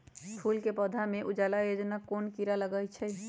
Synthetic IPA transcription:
pʰulkepɔd̪ʱameʔud͡ʒalajod͡ʒnakonkiɾaləɡəjt͡ʃʰɛ

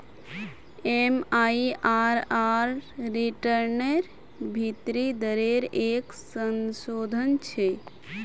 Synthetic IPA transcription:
emaiʔaɾaɾːiʈəɾneɾ | bʱit̪ɾid̪əɾeɾeksənsod̪ʱənt͡ʃʰe

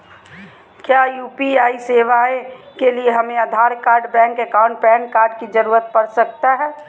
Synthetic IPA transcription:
kjaːjuːpiaːiseːʋaekelieɦɐmẽəd̪ʱaːɾkaːɾɖbɛ̃ːŋkekaːʊ̃ɳʈ̚pɛ̃ːɳkːaːɾɖkid͡ʒəɾuːɾət̪̚pəɾsək̚t̪aɦɛː

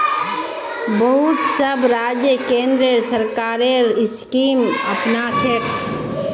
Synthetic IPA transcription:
bəɦʊt̪səbɾaːd͡ʒjəkẽːnd̪ɾesəɾkaːɾeɪskiːməpnat͡ʃʰek

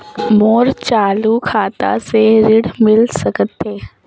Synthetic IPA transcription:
moːɾt͡ʃaːlukʰaːt̪a̰seɾɪɽmɪlsɐkət̪ːɦeː

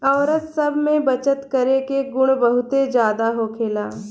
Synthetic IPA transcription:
ɔːɾət̪sɐbʱmẽbɐt͡ʃət̪kɐɾekeɡʊɽ̃bɐɦʊt̪ed͡ʒjaːd̪aɦokʰeːlaː

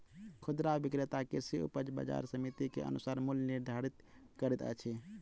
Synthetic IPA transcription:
kʰʊd̪ɾaʋikɾet̪akesiṵpəd͡ʒbə̰d͡ʒa̰ɾsəmit̪ikḛʔə̰nusaːɾmulniɾd̪ʱaɾit̪ | kəɾɛt̪ə̰t͡ʃʰi

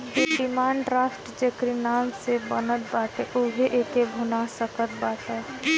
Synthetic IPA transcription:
eɖɪmãːɳɖɾaːfʈd͡ʒekɾinaːmsebənət̪̚baːt̪eʔubʱeʔeːkebʱunasəkət̪̚baːt̪ə

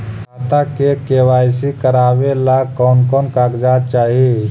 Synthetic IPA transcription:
at̪akekeːʋaːɪsikəɾaːʋelakɔːnkɔːnkaːɡd͡ʒaːd̚t͡ʃaːɦie

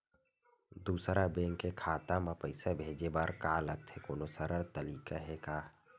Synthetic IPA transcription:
d̪uːsɾabẽːŋkːekʰaːt̪ãmãpəɪsabʱeːd͡ʒebaːɾkaːləɡ̚t̪ʰekoːnosəɾəɾt̪əliːkaɦekaː

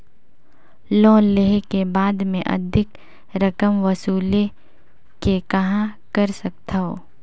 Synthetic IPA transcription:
lɔ̃ːleɦkebaːd̪mẽʔɐ̰d̪ʱɪk | ɾɐkəmʋɐsuːle | kekɐɦãkɐɾsɐk̚t̪aɦoː

